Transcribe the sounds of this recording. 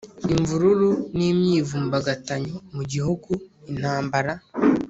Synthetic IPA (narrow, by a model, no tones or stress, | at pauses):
iɱvuɾuɾuniːmɲiːvuːmbaɡataɲomuɟihuɡuin̥haːmbaɾa